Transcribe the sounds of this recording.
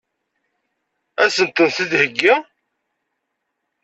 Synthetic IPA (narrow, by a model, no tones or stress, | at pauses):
æsənt̪ənθiðhəɡːa